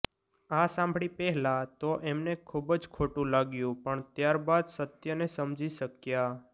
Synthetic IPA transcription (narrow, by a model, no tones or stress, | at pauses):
asãmbʱɽipɛɦlat̪oʔemnekʰubəd͡ʒkʰoʈũlaɡjũpəɳt̪jaɾbad̪sət̪jənesəmd͡ʒiʃəkja